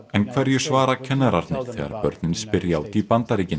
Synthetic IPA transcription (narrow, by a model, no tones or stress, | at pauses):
ɛnkʰvɛɾðjɛsvaːɾacʰɛnːaɾaɾt̪nɪ̥θɛ̰ːɣa̰ɾpœ̰ɾt̪nɪnspɪɾjaːwt̪iipant̪aɾiːcɪn